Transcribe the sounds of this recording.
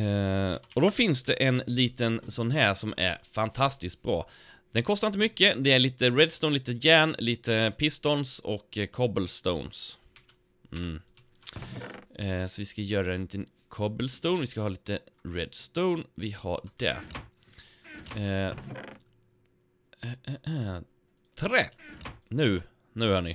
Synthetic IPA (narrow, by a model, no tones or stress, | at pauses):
ɔd̪ɔfɪns̬d̪ɛʔɛnliːt̪ənsɔnːɦæːʂɔmæ̰ɾfant̪ʰast̪ɪsk̪̚bɾɑ̰ː | d̪̥ɛnkʰɔst̪aɾɪnt̪əmʏkːəd̪ɛæɭiːt̪əɾɛd̪st̪oʊnliːt̪əjæːɳliːt̪ʰəpʰɪst̪ɔnsɔ̰kːkʰːɔbəlst̪o̰ʊns | ɛːsɔvɪskajœːɾaɛnliːt̪ən | kʰɔbəlst̪oʊnvɪskahɑːliːt̪əɾɛd̪st̪oʊnvɪha̰ɖɛ̰ | t̪ʰɾeːnʉ̟ː | nʉ̟ːhœːɳɪ